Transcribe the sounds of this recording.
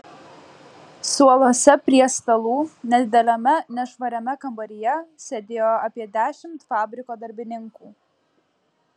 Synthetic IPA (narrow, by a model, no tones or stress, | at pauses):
suɔlˠoːsʲɛpʲɾʲiɛst̪ɐlˠuːnʲɛd̪ʲd̪ʲɛlʲɐmʲɛnʲɛʃʋɐɾʲɛmʲɛkɐmbɐɾʲɪjɛsʲɛd̪ʲeːjoɐpʲiɛd̪ʲæːʃʲɪmt̪fɑːbʲɾʲɪkoːd̪ɐɾʲbʲɪnʲɪŋkuː